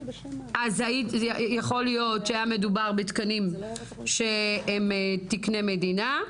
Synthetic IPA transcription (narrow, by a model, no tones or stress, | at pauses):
ʔazaijaχo̞lijo̞tʃeajamedubaʁbet̪kanim | ʃeemt̪ikne̞med̪ina